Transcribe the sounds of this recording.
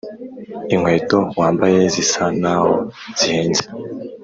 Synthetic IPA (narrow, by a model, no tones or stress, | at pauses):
iŋwe̞ːtowaːmbaje̞zisanahoz̥iheːnze̥